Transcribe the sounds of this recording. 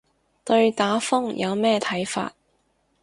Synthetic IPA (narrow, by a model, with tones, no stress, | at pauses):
t̪ɵ˧ɥt̪aː˨˥fʊ˥ŋjʔɐ˨˧wmɛː˥t̪ʰɐ˨˥jfa̰ː˧t̚